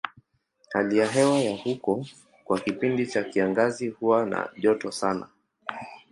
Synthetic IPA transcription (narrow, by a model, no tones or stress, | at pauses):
halijaɦɛwajahukɔ | kwakipindit͡ʃakiaŋɡazihuwana̰ʄɔtɔsana̰